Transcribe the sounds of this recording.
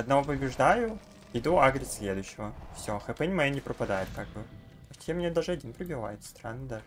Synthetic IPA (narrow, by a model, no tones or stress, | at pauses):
ɐd̪nɐvopəbʲɪʐd̪ajʊ | ɪd̪uaɡɾʲɪsʲsʲlʲed̪ʊɕːɪvəfsʲoxɐpɛnʲmɐjonʲɪpɾəpɐd̪ajɪt̪̚kaɡ̚bɨ | ʂt̪jʲɛmʲnʲed̪aʐɨɐdʲinpɾʲɪbʲɪva̰jɪt̪st̪ɾa̰nːəd̪a